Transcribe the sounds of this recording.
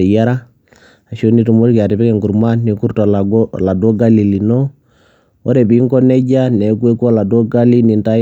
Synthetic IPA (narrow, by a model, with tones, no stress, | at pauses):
ja˦ɾa˦ | a˨ʃo˦ni˦tu˨mo˦ɾki˨a˨ti˨pi˦kɛ˨ŋku˨ɾma˦nːi˨ku˦ɾtɔ˨la˨ɡɔ˦˨la˨do˦ɡa˦li˨li˨no˦ | ɔ˦ɾe˨bi˨˦ŋkɔ˦nɛ˦ɟa˦ne˨˦kwe˦ko˦˨la˨do˦ɡa˦li˦ni˨nta˦